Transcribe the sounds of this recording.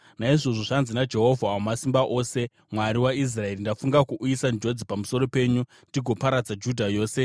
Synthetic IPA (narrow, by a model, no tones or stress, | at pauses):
naiʐo̞ʐo̞ʐanzinad͡ʒe̞ɦo̞vʱaamasimbaʔo̞ːse̞ | mwaɾiwais̬rae̞rindafuŋɡakuʔːjisand͡ʒo̞d͡zipamuso̞ɾo̞pe̞ːɲu | ndiɡʱo̞paɾad͡zad͡ʒudʱajo̞ːse̞